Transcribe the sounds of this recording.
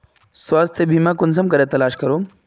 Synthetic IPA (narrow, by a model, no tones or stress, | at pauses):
swaːst̪ʰjəbʱimakuns̬ɐmkɐɾet̪ɐlaːʃkɐɾo